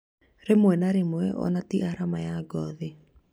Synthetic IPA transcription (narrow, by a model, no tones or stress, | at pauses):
ɾemoɛnaɾemoɛʔɔ̰natiʔaɾamajaɡɔðe